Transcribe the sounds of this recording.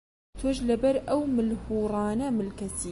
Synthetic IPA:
t̪ʰoʒlɐbɐɾʔɐwmɨlhuːɾˤɑːnɐmɨlkɐsi

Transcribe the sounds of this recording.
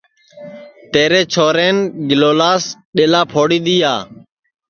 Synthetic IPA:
t̪eːɾeːt͡ʃʰoːɾeːnɡɪloːlaːsɗeːlaːpʰoːɽiːɗ̪iːjaː

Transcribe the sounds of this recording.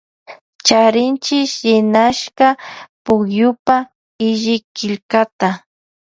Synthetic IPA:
t͡ʃaɾɪnt͡ʃɪʃɾɪnaʃkapʊkjʊpa | ɪʒɪkɪlkat̪a

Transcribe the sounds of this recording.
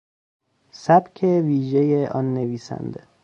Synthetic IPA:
sæbcʰeviːʒejeʔɒ̰ːnːe̞viːsæ̰nd̪e

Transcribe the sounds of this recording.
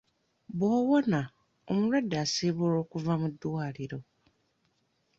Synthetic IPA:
bwowona | omuɾwadːasiβoːɾo̞ːkuvamudwaːliɾo̞

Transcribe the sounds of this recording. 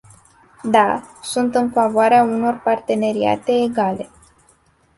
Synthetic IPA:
d̪asunt̪ɨnfavoaɾeauno̞rpart̪e̞ne̞ɾia̰t̪e̞ːɡale̞

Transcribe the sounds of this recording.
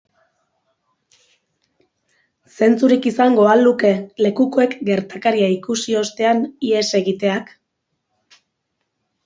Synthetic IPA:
se̞nt͡suɾikisaŋɡo̞aluke̞le̞kuko̞e̞kɡe̞ɾt̪akaɾiaikusio̞st̪e̞anie̞se̞ɣit̪e̞ak

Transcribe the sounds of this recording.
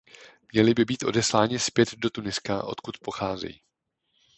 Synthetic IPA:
mɲɛlɪbɪbiːt̪ʔo̞dɛslaːɲɪspjɛd̪do̞t̪unɪskaʔo̞̰t̪kut̪po̞xaːzɛ̰jḭ

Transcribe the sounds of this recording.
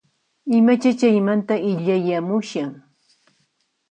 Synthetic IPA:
ɪmat͡ʃat͡ʃajmant̪aɪʎajamʊʃaŋ

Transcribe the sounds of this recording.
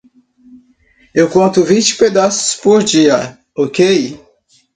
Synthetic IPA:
ewkɐ̃nt̪ʊvĩt͡ʃɪ̥ped̪asʊ̥spoɾd͡ʒiɐ | okej

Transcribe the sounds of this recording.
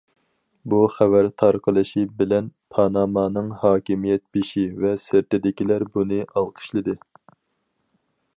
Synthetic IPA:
buχævæɾt̪ʰɑɾqʰəlˠɨʃibɪlɛnpʰɑnɑmɑːnɨŋhɑːkʲimijɛt̪̚biʃivɛsɪɾt̪ɪd̪ɪkʲilæɾbunɨʔɑlˠqʰə̥ʃlˠɨd̪ɨ

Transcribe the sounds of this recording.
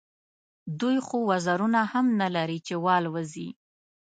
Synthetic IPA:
d̪ujxowazaɾunahamnalaɾit͡ʃewɑlwəzi

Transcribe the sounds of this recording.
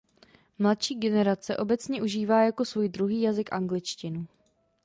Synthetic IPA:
mlat̪ʃiːɡɛnɛɾat͡sɛʔo̞bɛt͡sɲɛʔuʒiːvaːjako̞svuːjdɾuɦiːjazɪkʔaŋɡlɪt͡ʃcɪnu

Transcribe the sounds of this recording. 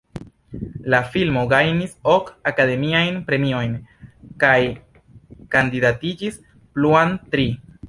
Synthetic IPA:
lafilmo̞ɡajnisokakade̞miajnpɾe̞mio̞jnkaj | kandidatid͡ʒis | pluantɾi

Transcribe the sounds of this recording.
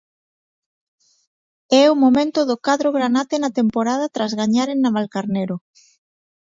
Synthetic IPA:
ɛʊmomẽnt̪ʊðʊkaðɾoɣɾanat̪enat̪empoɾað̞at̪ɾazɣaɲaɾeŋnːaβalkaɾneɾo

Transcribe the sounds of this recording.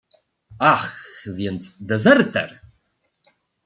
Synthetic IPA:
axvjɛnt͡sʼd̪ɛzɛrt̪ʰɐ̰r

